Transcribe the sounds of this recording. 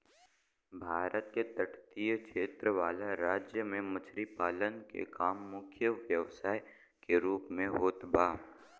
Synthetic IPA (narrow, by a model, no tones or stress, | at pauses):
bʱaːɾət̪̚ket̪əʈʰt̪ijəkʃeːt̪ɾəʋaːlaɾaːd͡ʒjəmẽmʊt͡ʃʰɾipaːlənkḛkaːmːʊkʰjəʋjəʋsaːj | keɾuːpmẽɦoːt̪baː